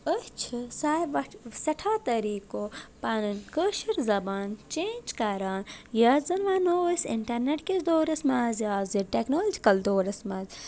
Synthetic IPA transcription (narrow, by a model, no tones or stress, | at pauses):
ət͡ʃʰɨsaːbʋɐsɐʈʰaːt̪ɐɾiːkoːpɐnɨnkəːʃiɾzɐbaːnt͡ʃeːnd͡ʒkaːɾaːnjaːzɐnʋaːnoːɐsḭɳʈɐɾneʈkʲisd̪oːɾɐsmaːzjaːziʈeknoːlːd͡ʒikɐld̪oːɾɐsmaːz